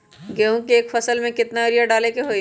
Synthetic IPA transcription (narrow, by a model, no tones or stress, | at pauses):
ɡeɦũkeeːkfɐsəlmẽkɪt̪naɾijaɖaːlekeɦoːj